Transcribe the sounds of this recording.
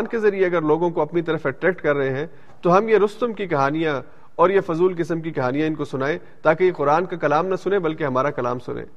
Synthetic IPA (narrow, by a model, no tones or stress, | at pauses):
nkezɐɾieɐɡəɾloːɡõkoɐpnit̪ɐɾəfɛʈɾɛːk̚ʈkɐɾːɐɦeɦɛ̃ | t̪oɦɐmjeɾʊst̪əmkikɐɦaːnijã | ɔːɾjefʊzuːlkɪsəmkikɐɦaːnijãɪnkosʊnaːe | t̪aːkejeqʊɾaːnkakɐlaːmnɐsʊnebɐlkeɦɐmaːɾakɐla̰ːmsʊ̰nḛ̃ː